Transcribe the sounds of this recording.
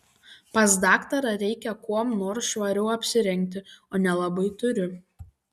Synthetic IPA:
pɐs̬d̪ɑːkt̪ɐɾɐɾʲɛɪkʲɛkuɔmnoːɾsʃʋɐɾʲɛʊɐpʲsʲɪɾʲɛŋʲk̚ʲt̪ʲɪoːnʲɛlˠɐbɐɪt̪ʊɾʲʊ

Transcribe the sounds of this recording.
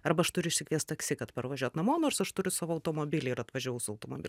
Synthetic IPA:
ɐrbɐɐʃt̪ʊɾʲʊɪʃʲsʲɪkʋʲiɛst̪ɐksʲɪkɐt̪pɐrʋɐʒʲuɔt̪nɐmoːnoːrsɐʃt̪ʊɾʲʊsɑːʋoɐʊt̪oːmoːbʲɪːlʲɛɪɾɐt̪ʋɐʒʲuːjɛʊsʊɐʊt̪oːmoːbʲɪl

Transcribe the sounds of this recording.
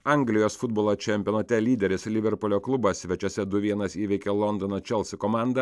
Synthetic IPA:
ɐˑŋɡlʲɪjoːsfʊd̪boːlˠoːt͡ʃʲɛmʲpʲɪɔnɐt̪ʲɛlʲiːd̪ʲɛɾʲɪslʲɪʋʲɛɾpolʲoːklˠʊbɐsʲsʲʋʲɛt͡ʃʲɛsʲɛd̪ʊʋʲiɛnɐsiːʋʲɛɪkʲelˠɔnd̪ɔnot͡ʃʲɛlˠsʲɪkɔmɑˑnd̪ɐ

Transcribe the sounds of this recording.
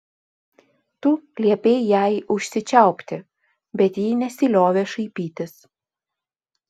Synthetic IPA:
t̪ulʲiɛpʲeɪjæɪʔʊʃʲsʲɪt͡ʃʲɛˑʊpʲt̪ʲɪ | bʲɛt̪jiːnʲɛsʲilʲoːʋʲeːʃɐɪpʲiːt̪ʲɪs

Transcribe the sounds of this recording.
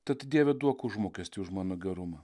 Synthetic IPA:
t̪ʲɐt̪d̪ʲiɛʋʲɛd̪uɔkʊʒmoːkʲɛsʲt̪ʲiːʊʃmɑːnoːɡʲɛɾʊmɐ

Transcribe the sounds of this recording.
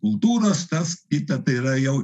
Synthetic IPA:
kʊlˠt̪uːɾɐst̪ɐskʲɪt̪ɐt̪ɐiɾɐjɛw

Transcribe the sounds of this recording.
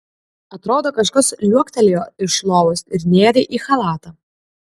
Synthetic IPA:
ɐt̪ɾoːd̪oːkɐʃkɐslʲuɔkt̪ʲɛlʲejoːɪʃlˠoːʋosɪɾnʲeːɾʲeʔiːxɐlˠɑːt̪ɐː

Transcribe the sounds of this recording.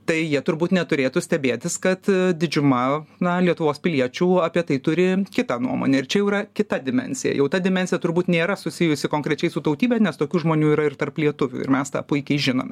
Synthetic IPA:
t̪ɐɪjiɛt̪ʊɾbuːt̪nʲɛt̪ʊɾʲeːt̪ʊsʲt̪ʲɛbʲeːt̪ʲɪskɐt̪d̪ʲɪd͡ʒʲʊmɐnɐlʲiɛt̪ʊʋoːspʲɪlʲiɛt͡ʃʲuːɐːpʲiɛt̪ɐɪt̪ʊɾʲɪkʲɪt̪ɑnṵɔmo̰nʲɛɪɾt͡ʃʲɛjɛʊiɾɐkʲɪt̪ɐd̪ʲɪmʲɛ̰nʲsʲɪjɛ̰jɛʊt̪ɐd̪ʲɪmʲɛnʲsʲɪjɛt̪ʊɾbuːt̪nʲeːɾɐsʊsʲɪjʊsʲɪkoːŋkɾʲɛt͡ʃʲɛɪsʊt̪ɐʊt̪ʲiːbʲɛnʲɛst̪oːkʲuːʒmoːnʲuːiːɾɐɪrt̪ɐrplʲiɛt̪ʊʋʲʊ̰ɪ̰mʲɛst̪ɑ̰ːpʊɪkʲɛɪʒʲɪno̰ːmʲɛ

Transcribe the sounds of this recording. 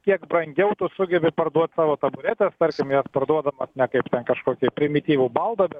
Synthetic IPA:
kʲiɛkbrɐŋʲɡʲɛʊt̪ʊsʊɡʲɛbʲɪpɐrd̪uɔt̪ʲsɑːʋoːt̪ɐbʊɾʲæːt̪ʲɛst̪ɐɾʲkʲɪmjospɐrd̪uɔd̪ɐmɐsnʲɛkɐɪpt̪ʲɛnkɐʃkoːkʲɛpʲɾʲɪmʲɪt̪ʲiːʋuːbɐlˠd̪ɐbʲɛt̪

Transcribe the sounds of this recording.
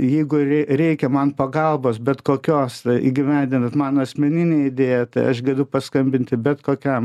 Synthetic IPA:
jɛɪɡʊrʲɛɪrʲɛɪkʲɛmɐnpɐɡɐlˠboːsbʲɛt̪koːkʲoːsɐḭːɡʲɪʋʲɛnʲd̪ʲɪnɐt̪mɑːnoɐsʲmʲɛnʲɪnʲeːɪd̪ʲeːjɛt̪ɐɪɐ̰ʃɡɐd̪ʊpɐskɐmʲbʲɪnt̪ʲɪbʲɛt̪koːkʲɛm

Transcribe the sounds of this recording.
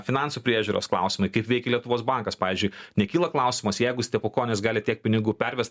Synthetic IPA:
fʲɪnɑˑnsupʲɾʲiɛʒʲuːɾo̰ːsklˠɑ̰ʊsʲɪmɐɪkɐɪpʋʲɛɪkʲɪlʲiɛt̪ʊʋoːsbɑŋkɐspɑːizʲd͡ʒʲʊɪnʲɛkʲiːlˠɐklˠɐʊsʲɪmɐsjɛɪɡʊsʲt̪ʲɛpokoːnʲɛsɡɑːlʲɪt̪ʲiɛk̚pʲɪnʲɪɡuːpʲɛɾʲʋʲɛst̪

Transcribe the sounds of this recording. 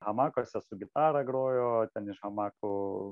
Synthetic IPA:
ɦɐmɑːkosʲɛsʊɡʲɪt̪ɑːɾɐɡɾoːjoːt̪ʲɛnɪʃhɐmɑːkʊ

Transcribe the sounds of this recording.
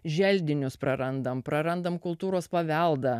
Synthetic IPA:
ʒʲɛlʲd̪ʲɪnʲʊspɾɐɾɐnd̪ɐmpɾɐɾɐnd̪ɐmkʊlˠt̪uːɾoːspɐʋʲɛlˠd̪ɐ

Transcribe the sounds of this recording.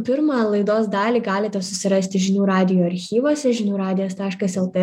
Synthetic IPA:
pʲɪɾmɑːlˠɐɪd̪oːsd̪ɑːlʲiːɡɑːlʲɪt̪ʲɛsʊsʲɪɾɐsʲt̪ʲɪʒʲɪnʲuːɾɑːd̪ʲɪjoːɐɾʲxʲiːʋoːsʲɛʒʲɪnʲuːɾɑːd̪ʲɪjoːst̪ɑːʃkɐsɛlˠt̪e

